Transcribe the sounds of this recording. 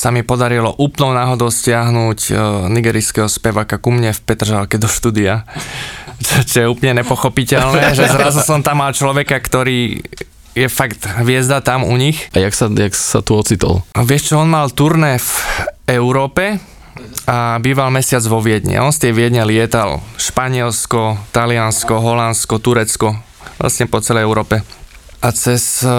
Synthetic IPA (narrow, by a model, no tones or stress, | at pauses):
samipɔd̪aɾilɔʔuːplnɔʊnaːɦɔd̪ɔʊscɪaɦnuːcniɡɛːɾiskɛɦɔspɛʋaːkakumɲɛfpɛt̪r̩ʒalkɛd̪ɔʃt̪uːd̪ia | t͡ʃɛt͡ʃɔjɛuːpəɲɛɲɛpɔxɔpicɛlnɛʒɛzɾazusɔmt̪amːalt͡ʃlɔʋɛkakt̪ɔɾiː | jɛfaɡt̪ɦʋɪɛzd̪at̪amṵɲixajaksajaksat̪uɔt͡sit̪ɔ̰lʋɪɛʃt͡ʃɔɔnmalt̪uɾnɛfɛʊɾɔːpɛ | abiːʋalmɛsɪad͡zʋɔʋɪɛd̪ɲɛ̰ɔnst̪ɪɛʋɪɛd̪ɲɛlɪɛt̪alʃpaɲɪɛlskɔt̪alɪanskɔɦɔlanskɔt̪uɾɛt͡skɔ | ʋla̰sɲɛpɔt͡sɛlɛjɛʊɾɔːpɛat͡sɛs